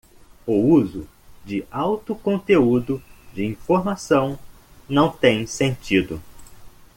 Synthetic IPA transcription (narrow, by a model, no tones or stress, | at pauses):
ʊuzʊ | d͡ʒɪawt̪ʊkõnt̪eud̪ʊd͡ʒɪĩfoɾmasɐ̃w̃ | nɐ̃w̃t̪ẽj̃sẽnt͡ʃid̪ʊ